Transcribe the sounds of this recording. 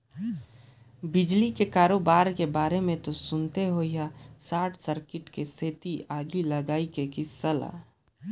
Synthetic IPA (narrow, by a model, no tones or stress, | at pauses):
bɪd͡ʒlikekaːɾobaːɾkebaːɾemẽt̪osʊnt̪eɦoijasaːʈʰsəɾkɪʈkeseːt̪iʔaːɡiləɡaːikekisəla̰